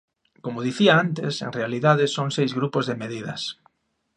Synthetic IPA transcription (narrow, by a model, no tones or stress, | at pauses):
komʊðiθiaant̪ɪsḛŋrealiðaðɪsoŋsejzɣɾupozðemeð̞iðɐ̰s